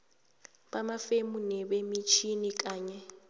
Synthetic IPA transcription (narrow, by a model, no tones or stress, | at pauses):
ɓamafemunɛβemit͡ʃʰinik̬ʼaːɲɛ